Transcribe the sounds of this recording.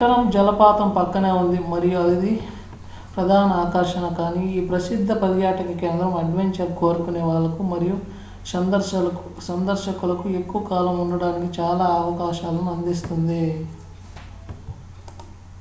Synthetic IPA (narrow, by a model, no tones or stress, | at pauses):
kːɐnɐmd͡ʒɐlɐpaːt̪ɐmpɐkːɐneːund̪imɐɾijuɐd̪id̪i | pɾɐd̪ʱaːnɐaːkɐɾʃɐnɐkaːniiːpɾɐsid̪ʱːɐpɐljaːʈɐkɐke̞ːnd̪ɾɐmɐɖʋeɲt͡ʃɐɾko̞ːɾukuneːʋaːɭːɐkumɐɾiju | ɐnɐ | sɐnd̪ɐɾʃɐkulɐkue̞kːuʋɐkaːlɐmunːɐɽaːnikit͡ʃaːlaːɐʋɐkaːʃaːlunɐnd̪ist̪und̪i